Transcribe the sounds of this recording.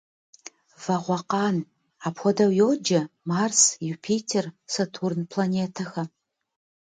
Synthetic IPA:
vɐʁʷɔqɑːn | aːpxʷɔdɐwjoːd͡ʒɐmaːrsjupʰiːtʰersɐtʰuːrnpʰlaneːtʰɐxɐ

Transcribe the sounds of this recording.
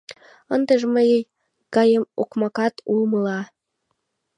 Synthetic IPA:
ənd̪əʒməjəj | ɡ̥ɑjəmo̰kmɑkɑt̪ulməlɑ

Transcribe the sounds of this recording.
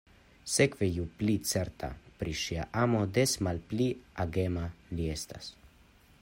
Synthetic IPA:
sekvejuplit̪t͡s̪ɛɾt̪ʰa̰pɾiʃia̰ʔamod̪esmalpliaɡemaljest̪as

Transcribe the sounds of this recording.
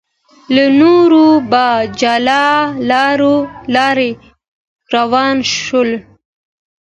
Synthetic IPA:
lanoɾubɑd͡ʒɑlɑlɑɾolɑɾe | ɾawɑːnʃʊl

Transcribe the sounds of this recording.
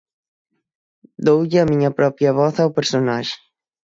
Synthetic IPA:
d̪owʎɐmiɲɐpɾɔpɾjɐβɔθawpeɾsonaʒɪ̥

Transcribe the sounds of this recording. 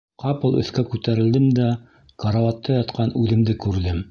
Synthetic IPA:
qɑpɤ̆lˠɵ̰̆θkækʉt̪æɾɘ̆ld̪ɘmd̪æ | kɑɾavɑt̪ːɑjɑt̪qɑnʉðɘ̆md̪ɘkʉɾðɘm

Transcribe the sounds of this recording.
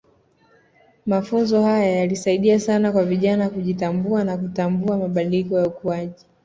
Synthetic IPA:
mafunzɔhajajalisaiɗiasanakwaviʄanakuʄitambuanakutambuamaɓaɗilikɔjaukuaʄi

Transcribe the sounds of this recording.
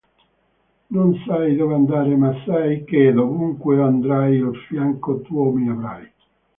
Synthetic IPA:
nonsajd̪ɔːveand̪aːɾemasːajked̪ovuŋkweand̪ɾajofjaŋkot̪uɔmiavɾa̰j

